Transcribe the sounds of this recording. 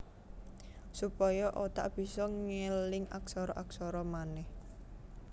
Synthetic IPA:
supɔjɔʔot̪a̰ʔb̥i̤sɔŋelɪŋaksɔɾɔʔaksɔɾɔmanɛh

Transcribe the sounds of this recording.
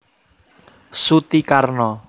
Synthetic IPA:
sut̪ikarnɔ

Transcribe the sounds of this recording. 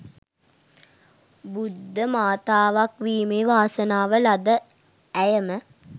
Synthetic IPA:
bud̪ʱːəmaːt̪aːʋakʋiːmeʋaːsənaːʋəlad̪ə | æjəmə

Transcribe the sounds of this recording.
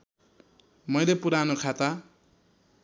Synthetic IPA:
mʌjlepuɾanokʰat̪a

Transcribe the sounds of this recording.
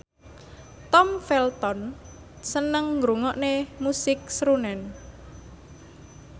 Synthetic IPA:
t̪ɔmfɛlt̪ɔn | sənəŋːɡɾuŋɔʔnemusɪk̚sɾunɛn

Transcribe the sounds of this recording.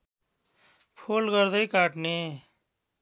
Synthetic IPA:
pʰoːlɡəɾd̪əikaːʈneː

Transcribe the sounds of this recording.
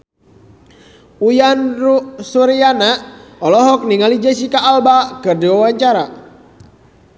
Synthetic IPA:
ujanrusuɾianaɔlɔɦɔk̚niŋalid͡ʒas̬ikaʔːlbakɨrdiwawaɲt͡ʃaɾa

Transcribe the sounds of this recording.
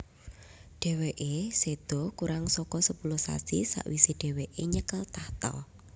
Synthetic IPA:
ɖ̥ɛ̤weʔesed̪̥ɔ̤kuɾaŋsɔkɔsəpulʊsa̰sḭsa̰ʔwiseɖ̥e̤weʔeɲəkəlt̪aht̪ɔ̰l

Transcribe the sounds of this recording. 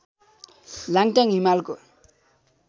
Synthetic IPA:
laŋʈ͡ʂaŋimalko

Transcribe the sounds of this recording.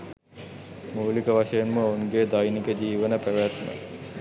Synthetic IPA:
muːlikəʋaʂəjenməouŋɡeːd̪ajnikəd͡ʑiːʋənəpæʋat̪ma̰

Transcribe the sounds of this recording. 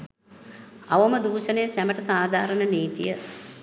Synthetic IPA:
aʋəməd̪uːʃənejːsæməʈəsaːd̪ʱaːɾənəniːt̪ḭjə

